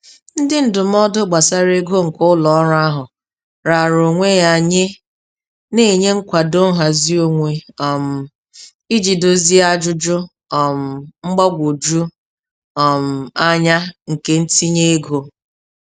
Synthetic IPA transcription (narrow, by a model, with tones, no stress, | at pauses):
n̩˦dɪ˦n̩˦dʊ˨m̩˦ɔ˦dʊ˦ɡ͡ba˨sa˦ɾe˦ɡo˦ŋ̩˨kʊ˦lɔ˨ɔ˦ɾa˦ɦʊ˨ | ɾa˨ɾo˨ŋʷe˦ja˦˨ɲe˦ | ne˦˨ɲe˦ŋ̩˦kʷa˨do˦ɦa˨zi˦o˦ŋʷe˨ɔ˨m̩˨ | i˦d͡ʒi˨do˨zi˦a˦d͡ʒʊ˦d͡ʒʊ˦ | ɔ˨m̩˨ŋ͡m̩˦ɡ͡ba˦ɡʷo˨d͡ʒu˦ | ɔ˨m̩˨a˦ɲa˦ŋ̩˨ke˦n̩˦ti˦ɲe˦e˦ɡo˨